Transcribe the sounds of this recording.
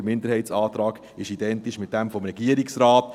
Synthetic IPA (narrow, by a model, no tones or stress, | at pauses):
əmɪndəɾhɛɪtsɑːt̪ɾɑːɡ | ɪʃidɛntiʃmɪt̚d̥ɛmfɔmɾɛɡ̥iəɾɪksɾɑːt